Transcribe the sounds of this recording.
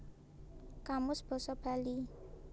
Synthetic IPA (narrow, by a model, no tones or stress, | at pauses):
kamʊsb̥ɔ̤sɔb̥a̤li